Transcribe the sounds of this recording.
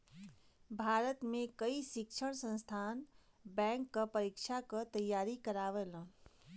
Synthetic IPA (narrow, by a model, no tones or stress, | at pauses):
bʱaɾət̪mekəisikt͡ʃʰəɽ̃sə̃nst̪ʰan | bɛ̃ŋkːəpəɾikt͡ʃʰakət̪əjːaɾikəɾaʋelə̃